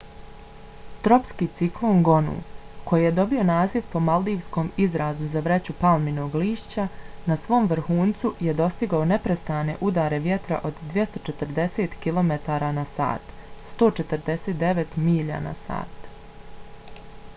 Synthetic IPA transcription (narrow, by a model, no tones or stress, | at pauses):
t̪ɾo̞pskiːt̪siklˠoːŋɡo̞nṵːko̞jije̞d̪o̞bio̞naːziʋpo̞malˠd̪iːʋsko̞mizɾaːzuzaʋɾe̞t͡ɕupalˠmino̞ːɡliːʃt͡ɕanasʋo̞ːmʋɾ̩xuːnt̪suje̞d̪o̞st̪iɡaone̞pɾest̪aːne̞̰ʔud̪aːɾe̞ʋje̞t̪ɾa̰ʔo̞d̪d̪ʋje̞st̪o̞t͡ʃe̞t̪əɾd̪e̞seːt̪kilˠo̞me̞t̪aːɾanasa̰ːt̪ | st̪o̞ːt͡ʃet̪əɾd̪e̞seːt̪̚d̪eʋet̪miːʎa̰na̰sa̰ːt̪